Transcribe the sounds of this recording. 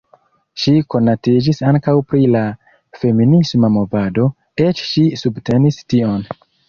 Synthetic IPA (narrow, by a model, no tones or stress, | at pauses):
ʃiko̞natid͡ʒisaŋkawpɾila | fe̞minismamo̞vado̞ | e̞t͡ʃʃisubte̞nistio̞n